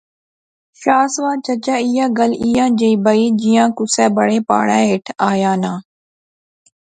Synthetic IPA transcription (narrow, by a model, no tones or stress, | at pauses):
ʃaːsʋãːt͡ʃət͡ʃaːijãːɡəlijãːd͡ʒeiːbəiːd͡ʒijãːkʊsɛːbəɽeːpa̰ːɽɛ̃ːeːʈʰaːjãːnãː